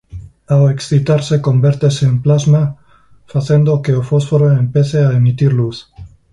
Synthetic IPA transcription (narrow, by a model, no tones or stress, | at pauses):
aweksθit̪aɾse̞ko̞mbeɾt̪eseːmplazma | faθje̞nd̪okeofo̞sfoɾoempeθeaemit̪iɾluθ